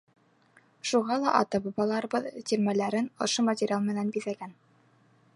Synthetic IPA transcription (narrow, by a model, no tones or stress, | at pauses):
ʃuʁɑlˠɑʔɑ̰t̪ɑbɑbɑlˠɑɾɤ̆bɤðt̪iɾmælæɾɘnŏ̰ʃomɐtʲɪɾʲjalˠmɘ̆nænbiðæɡæn